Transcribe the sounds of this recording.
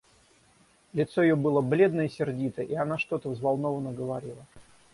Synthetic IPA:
lʲɪt̪sojɪjobɨlˠəblʲe̞d̪nəɪsʲɪrdʲit̪əʔianaʂt̪o̞t̪əvzvalˠno̞vənəɡəvaɾʲilˠə

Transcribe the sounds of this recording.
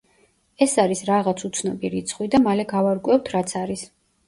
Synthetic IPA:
ɛsaɾisɾaʁat̪sʰut̪sʰnɔbiɾit̪sʰχwid̪amalɛɡavaɾkʼwɛft̪ʰɾat̪sʰaɾis

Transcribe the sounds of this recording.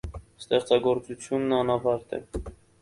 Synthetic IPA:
st̪ɛχt͡sɑɡɔɾt͡sut͡sʰjunːɑnɑvɑɾt̪ɛ̰

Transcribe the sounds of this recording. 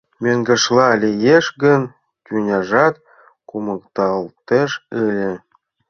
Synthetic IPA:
mʲøŋɡə̆ʃlɑlʲijeʃɡən | kʲynʲɑʒɑt̪ | kumɤ̆kt̪ɑlt̪eʃɘlʲĕ

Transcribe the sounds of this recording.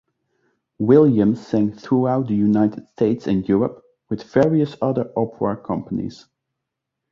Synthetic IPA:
wɪlˠjɨ̃mz̥sæ̃ŋθɹuaʊt̪̚ðəjunaɪɾɪd̥stʰeɪtsɨ̃njʊɹəp | wɨðvɛɹiɨsʌðə˞ʔɔpʰɹə˞kʰʌ̃mpənḭz̥

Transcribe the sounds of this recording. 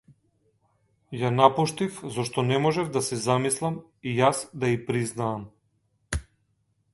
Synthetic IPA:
janapuʃt̪ifzɔʃt̪ɔnɛmɔʒɛvd̪asɛzamislˠam | ijasd̪aipɾiznaːm

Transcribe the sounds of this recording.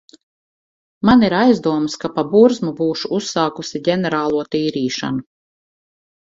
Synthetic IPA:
maniɾajzd̪uɔmskapabuɾzmubuːʃuusːɑːkusʲiɟʲɛnɛɾaːlˠuɔt̪iːɾiːʃa̰nu

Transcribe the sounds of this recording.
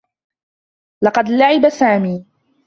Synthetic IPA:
lɑqɑd̪laʕɪbasaːmiː

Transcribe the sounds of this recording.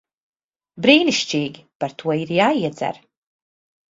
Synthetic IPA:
bɾiːniʃt͡ʃiːɡʲpaɾt̪ʰuɔiɾjaːiɛd͡za̰ɾ

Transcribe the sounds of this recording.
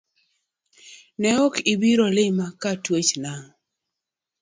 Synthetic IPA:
nɛɔkɪbiɾolɪmakatwet͡ʃnaŋ

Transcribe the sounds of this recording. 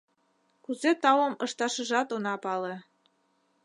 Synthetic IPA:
kuzet̪ɑwə̆mɤʃt̪ɑʃə̆ʒɑt̪onɑpɑle

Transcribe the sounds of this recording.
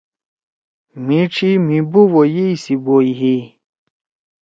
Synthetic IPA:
mĩʈ͡ʂimĩbuwojeisiboiɦi

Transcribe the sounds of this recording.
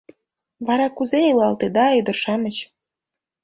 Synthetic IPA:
βɑɾɑkuzeilɑlt̪ed̪ɑyd̪ə̆ʃɑmət͡ɕ

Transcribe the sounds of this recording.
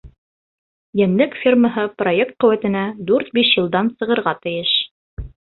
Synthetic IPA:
jænlɘkfʲirməɦɤprojek̚t̪̚qɵ̆wæt̪ɘ̆næd̪ʉɾt̪biʃjɤ̆lˠd̪ɑnsɤ̆ʁɤ̆ɾʁɑt̪ɘ̆jɘʃ

